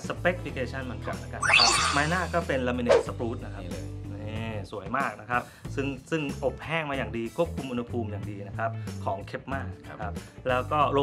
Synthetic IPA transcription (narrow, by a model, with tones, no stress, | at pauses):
sa˧pe˦˥k̚fi˧kʰeː˧t͡ɕʰa˥˩nmɯ˩˦nka˨˩n̚na˦˥ka˧˩na˦˥kʰa˦˥maː˧jnaː˥˩kɔː˥˩pe˧nla˧mi˧neː˦˥˩t̪̚sa˧pɾuː˦˥t̪̚na˦˥kʰa˦˧neː˥˩˥su˨˩˦əjmaː˥˩k̚na˦˥kʰa˦˥p̚sɯ˥˩ŋsɯ˥˩ŋʔo˨˩p̚hɛː˥˩ŋmaː˧jaː˨˩ŋdiː˧kʰu˦˥əp̚kʰu˧mʔu˧nha˧pʰuː˧mjaː˨˩ŋdiː˧na˦˥kʰa˦˥p̚kʰɔː˩˦ŋkʰe˦˥p̚maː˥˩na˦˥kʰa˦˥p̚lɛː˦˥wkɔː˥˩ɾo˧